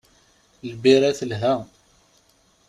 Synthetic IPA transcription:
lbiɾæθəlɦæ

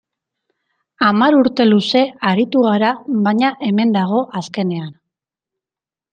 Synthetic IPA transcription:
amaɾuɾt̪e̞luse̞aɾit̪uɣ̞aɾaβaɲaʔe̞me̞nd̪aɣo̞ʔaske̞ne̞an

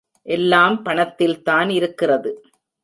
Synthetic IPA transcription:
ʔɛlːaːmpɐɳɐt̪ːɪlt̪aːnɪɾɯkːɪrɐðɯ

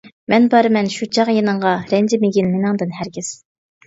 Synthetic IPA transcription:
mɛnbɑɾɨmɛnʃut͡ʃʰɑʁjenɨɴʁɑɾɛnd͡ʒɪmeɡʲinmenɨŋd̪ɨnɦæɾɡʲɪz̥

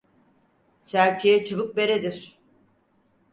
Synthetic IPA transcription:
sæɾcʰejɛt͡ʃʰɯβɯk̚be̞ɾed̪iɾ̥

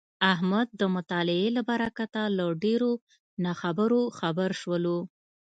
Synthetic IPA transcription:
aɦmad̪̚ːəmʊt̪ɑlɪelabaɾakat̪alaɖeɾo | naxabəɾoxabəɾʃwəlo

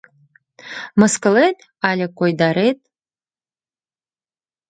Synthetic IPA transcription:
mɨskɨlet̪ | alʲekʷʼojd̪aɾet̪̚ʼ

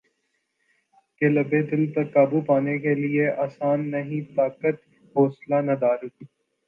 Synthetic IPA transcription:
kelɐbed̪ɪlt̪ɐkːaːbupaːnekelieaːsaːnːɐɦĩt̪aːkət̪ | ɦoːslanɐd̪aːɾʊt̪iː

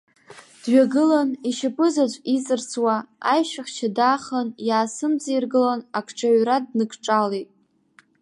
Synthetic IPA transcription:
d̥ɥaɡɨlaniʃapʰʼɨzat͡ʃʷʼit͡sʼɨrt͡sʰwaajʃᶣaχʲt͡ʃʰadaχanjaːsɨmzairɡɨlanakʰʈ͡ʂʰaɥrad̚nɨkʰʈ͡ʂʼalejtʼ

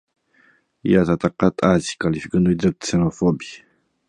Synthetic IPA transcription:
jazat̪aqat̪ʼazi̥kalifikənuid̪ɾəsenofobi

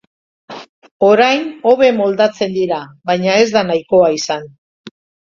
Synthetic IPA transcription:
o̞ɾajno̞βe̞mo̞ld̪at͡se̞nd̪iɾaβajɲae̞zd̪anajko̞aisan

